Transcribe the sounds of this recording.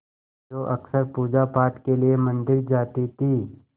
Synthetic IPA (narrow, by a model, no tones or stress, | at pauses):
d͡ʒoːʔɐksəɾpuːd͡ʒapaːɾʈkeliemə̃nd̪ɪɾd͡ʒaːt̪it̪ʰiː